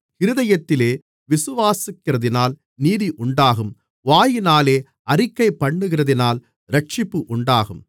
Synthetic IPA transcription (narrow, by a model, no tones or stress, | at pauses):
ɪɾɯðɐjɐt̪ːɪleː | ʋɪsɯʋaːsɪkːɪrɐðɪnaːl | niːðiʔʊɳɖaːɣɯm | ʋaːjɪnaːleː | ɐrɪkːɐɪpːɐɳːɯɣɪrɐðɪnaːl | ɾɐʈ̚t͡ʃɪpːɯʔʊɳɖaːɣɯm